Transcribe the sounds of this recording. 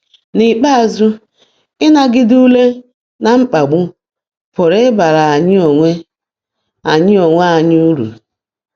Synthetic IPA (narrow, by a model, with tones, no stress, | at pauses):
nɪ˨k͡pa˦a˨zʊ˦ | ɪ˦na˨ɡɪ˦du˦le˦ | na˨ŋ͡m̩˦k͡pa˨ɡ͡bʊ˦ | pʊ˨ɾɪ˦ba˨ɾa˨a˨ɲɪ˦o˨ŋʷe˦ | a˨ɲɪ˦o˨ŋʷe˦a˨ɲɪ˦u˦ɾṵ˨